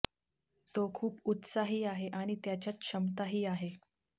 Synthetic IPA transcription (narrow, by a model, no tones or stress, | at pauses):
t̪okʰuːput̪saɦiːaɦeʔaɽ̃it̪jat͡ɕjat͡skɕəmt̪aɦiːaɦe